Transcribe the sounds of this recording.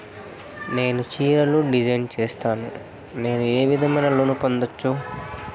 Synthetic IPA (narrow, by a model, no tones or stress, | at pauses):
ne̞ːnut͡ʃiːɾɐluɖid͡ʒɐjnt͡ʃeːst̪aːnu | ne̞ːnueːʋid̪ʱɐmɐjnɐloːnupond̪ɐt͡ʃːu